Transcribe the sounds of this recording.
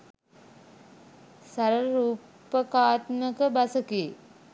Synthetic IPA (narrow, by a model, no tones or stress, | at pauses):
saɾəɾuːpəkaːt̪məkəbasəkeː